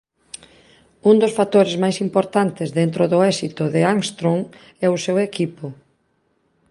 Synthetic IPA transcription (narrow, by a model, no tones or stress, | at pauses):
und̪ʊsfat̪oɾezmajsimpoɾt̪ant̪ɪzðent̪ɾʊðʊɛsit̪ʊðɪaŋst̪ɾoŋ | ɛʊsewekipʊ